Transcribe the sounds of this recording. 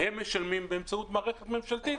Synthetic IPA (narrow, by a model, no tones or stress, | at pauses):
hemːeʃalmimbeemt͡saut̪maːʁeχet̪me̞mʃalt̪it̪